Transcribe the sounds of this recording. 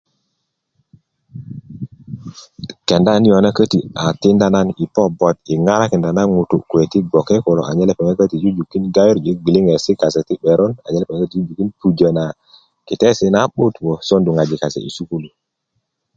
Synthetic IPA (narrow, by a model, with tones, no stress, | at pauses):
ke˨nda˦ni˦jo˨na˦kə˦ti˨a˨ti˦nda˦na˦ni˨po˦bo˨t̚i˨ŋa˦ɾa˦ke˨nda˨na˦ŋu˨tṵ˨kwe˨ti˦ɡo˨ke˦ko˨lo̰˨ʔa̰˨ɲe˦le˦˨pe˨ŋe˦kə˦ti˨d͡ʒu˦d͡ʒu˨kːi˦nɡa˦wi˦ɾd͡ʒi˨˦ɡ͡bi˨li˦ŋe˨si˦ka˨se˨ti˦ɓe˨ɾo˦na̰˨ɲe˦le˦pe˨ŋe˦kə˦ti˨d͡ʒu˦d͡ʒu˨ki˦ntu˨d͡ʒə˨na˨ | ki˨te˦si˦na˦ɓu˦two˨so˦ndu˨ŋa˨d͡ʒi˨ka˨sḛ˨ḭ˨su˦ku˦lu˨